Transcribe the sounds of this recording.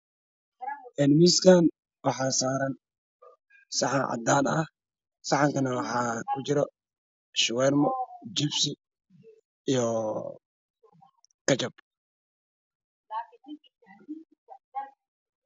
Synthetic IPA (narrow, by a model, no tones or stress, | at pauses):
ʔɛnmiskʰan | wɑħɑːsaːɾɐn | sɑħɑnʕɑ̰d̪aːnɐh | sɑħɑŋkɐnɐwɑħɑːkʰʊt͡ʃɪɾɔ | ʃʊwɛːrmɔd͡ʒɪbsɪ | ijɔ | kʰɐt͡ʃɐb